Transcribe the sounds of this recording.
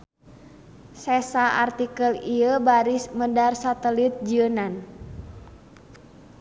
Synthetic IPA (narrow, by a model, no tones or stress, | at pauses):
sɛsaʔa̰rt̪ikəliəbaɾismədarsat̪əlit̪̚d͡ʒiənan